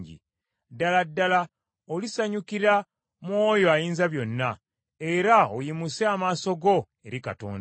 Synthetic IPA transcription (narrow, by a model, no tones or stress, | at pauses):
ɟḭ | daladːala | olisaɲukiɾa | mwo̞ːjo̞ajiːnzaβjo̞nːa | e̞ɾaojimuseamaːso̞ɡo̞ | e̞ɾika̰to̰ːnd